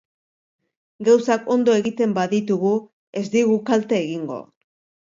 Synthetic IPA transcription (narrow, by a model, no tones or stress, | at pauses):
ɡawsako̞nd̪o̞e̞ɣit̪e̞mbaðit̪uɣu | e̞zd̪iɣ̞ukalt̪eːɣiŋɡo̞̰